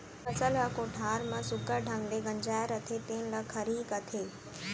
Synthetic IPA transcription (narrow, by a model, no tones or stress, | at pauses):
ɐsəlɦɐkoːʈʰaːɾmãsʊɡəɖʱɐ̃ŋɡleɡɐ̃ɲd͡ʑaːjɾɐt̪ʰet̪ẽːnlɐkʰɐɾiːkɐt̪ʰeː